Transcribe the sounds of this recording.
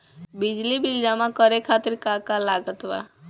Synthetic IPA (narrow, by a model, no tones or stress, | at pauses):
bid͡ʒlibild͡ʒamãkəɾekʰat̪ɪɾkakalaɡət̪ʋa̰